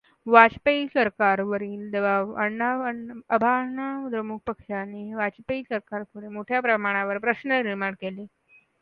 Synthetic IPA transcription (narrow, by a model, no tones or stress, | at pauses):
ʋat͡ɕpeisəɾkaɾʋəɾiːnd̪əʋaʋəaʋəəbʱaɳad̪ɾəmuk̚ʰpəkʂaneʋat͡ɕpeisəɾkaɾkʰuɽemoʈʰjapɾəmaɽ̃aʋəɾpɾəɕnəniɾmaɳkele